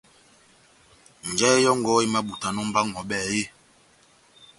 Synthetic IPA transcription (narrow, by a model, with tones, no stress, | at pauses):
n̩˨d͡ʒɛ˦jɔ˦ŋɡɔ˦i˦ma˦ɓu˨ta˨nɔ˦m̩˦ba˦ŋɔ˨ɓɛː˦˨je˦